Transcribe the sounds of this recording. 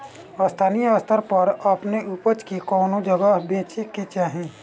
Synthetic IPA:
əst̪ʰaːnijəst̪ʰəɾpɐɾəpneʔupət͡ʃkikɔːnod͡ʒəɡəɦbẽːt͡ʃiket͡ʃaɦɛ̃ː

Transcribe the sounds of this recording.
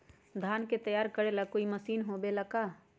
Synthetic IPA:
d̪ʱaːnket̪əjaːɾkəɾelakoːiməsiːnɦobeləkaː

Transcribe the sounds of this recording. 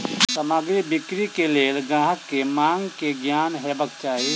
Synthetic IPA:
səmaɡɾibɪkɾikeleːlɡãːɦəkːemãːŋɡkeɡjaːnɦɛbək̚t͡ʃaːɦi

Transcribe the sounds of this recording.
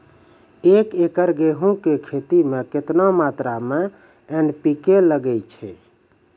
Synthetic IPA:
ekekəɾɡeɦũkekʰet̪imeket̪namat̪ɾame | enpikeləɡɛt͡ʃʰɛ̰

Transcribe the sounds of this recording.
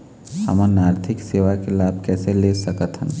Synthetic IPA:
hɐ̰mãnaːɾt̪ʰɪkseːʋakelaːb̚ʱkɛːseleːsɐkət̪ə̃n

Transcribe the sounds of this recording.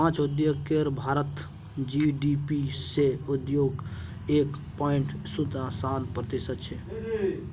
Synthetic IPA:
pãːt͡ʃud̪joːɡkeɾbʱaːɾət̪ | d͡ʒiɖipiseud̪joːɡ | eːkpɔɪɳʈsud̪ãsaːnpɾət̪isət̪t͡ʃʰɛ

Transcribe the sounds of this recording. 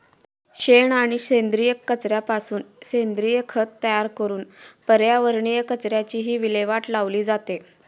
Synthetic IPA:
ɕeɳaɽ̃iɕẽnd̪ɾijəkːət͡sɾjapasuːnɕend̪ɾijəkʰət̪ːəjaɾkəɾuːnpəɾjaʋəɾɳijəkət͡sɾjat͡ɕiːɦiːʋileʋaʈlaʋliːd͡zat̪e

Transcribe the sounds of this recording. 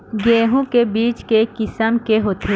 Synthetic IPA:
ɡeːɦõkebiːt͡ʃkekɪsəmkeɦoːt̪ʰe

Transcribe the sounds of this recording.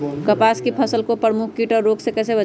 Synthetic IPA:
kəpaskipʰəsəlkopɾəmuk̚ʰkiʈɔːɾːoːksekɛːsebə

